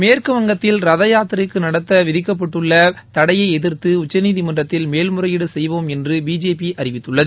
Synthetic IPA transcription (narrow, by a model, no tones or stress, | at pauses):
meːrkɯʋɐŋɡɐt̪ːɪlɾɐðɐjaːt̪ːɾɪkːɯnɐɽɐt̪ːɐʋɪðɪkːɐp̬ːɐʈːɯɭːɐt̪ɐɽɐjɐɪɛðɪɾt̪ɯʊt͡ʃːɐniːðimɐndrɐt̪ːɪlmeːlmɯrɐjɪɽɯsɛjʋoːmɛndrɯbiːd͡ʒeːpiʔɐrɪʋɪt̪ːɯɭːɐðɯ